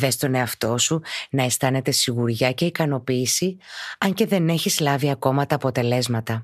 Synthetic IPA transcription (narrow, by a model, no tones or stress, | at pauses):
ðe̞st̪o̞ne̞ɐft̪o̞sunɐe̞st̪ɐne̞t̪e̞siɣuɾʝɐce̞ikɐno̞piːsiɐɲce̞ðe̞ne̞çizlɐviɐko̞mɐt̪ɐːpo̞t̪e̞le̞zmɐt̪ɐ